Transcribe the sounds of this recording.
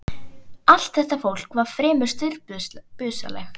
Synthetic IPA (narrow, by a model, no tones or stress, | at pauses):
al̥t̪θɛht̪afowl̥kvaɾ̥fɾɛːmʏ̥st̪ʏɾpʏːsa̰lɛ̰x